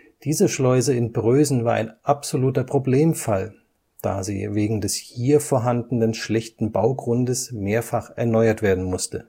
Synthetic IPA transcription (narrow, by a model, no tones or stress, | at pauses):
d̥iːzəʃlɔʏzəɪnbʁøːzn̩vaːɐʔa̰ɪnʔapz̥oluːtɐpʁ̥obleːmfal | d̥a̰ːzḭːveːɡŋ̩dɛshiːɐfoːɐɦandn̩ənʃlɛçtn̩baʊɡʁʊndəsmeːɐfaχʔɛɐnɔʏɐtv̥eːɐdn̩mʊstə